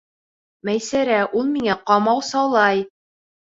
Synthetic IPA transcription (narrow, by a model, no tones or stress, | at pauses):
mæjsæɾæʔulˠmiŋæqɑmɑwsɑwlˠɑj